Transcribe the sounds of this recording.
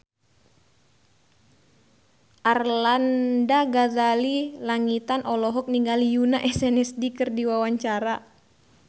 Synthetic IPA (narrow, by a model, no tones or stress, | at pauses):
ʔarlandaɡadalilaŋit̪anʔɔlɔɦɔk̚niŋɡalijunaʔɛsɛnɛsdikɨrdiwawaɲt͡ʃaɾa